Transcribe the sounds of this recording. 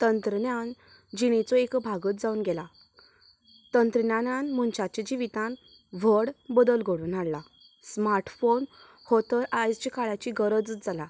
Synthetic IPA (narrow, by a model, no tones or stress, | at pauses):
t̪ənt̪ɾəɳjan | d͡ʑiɽ̃et͡sɔekbʱaɡət̪d͡zauːnɡɛla | t̪ənt̪ɾənjananmuɳt͡ɕat͡ɕẽd͡ʑiʋit̪ãn | ʋ̤əɽbəd̪əlɡʱəɽuːnaɽla | smaɾʈfon | hot̪əɾajd͡zt͡ɕikaɭat͡ɕiɡəɾəd͡zd͡zala